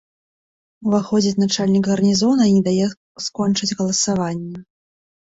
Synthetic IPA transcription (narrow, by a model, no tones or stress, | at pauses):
uvaxɔd͡zʲit͡sʲnat͡ʂalʲnʲikɣɐrnʲizɔnɐinʲɛd̪ajɛ | skɔnt͡ʂɨd͡zʲɣɐlˠɐsavanʲːɛ